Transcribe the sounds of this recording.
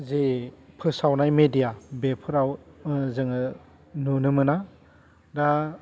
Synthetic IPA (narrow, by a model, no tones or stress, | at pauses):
zepʰɯsawnajmedijabepʰɯɾawzɯŋɯ | nunɯmɯna | ɾa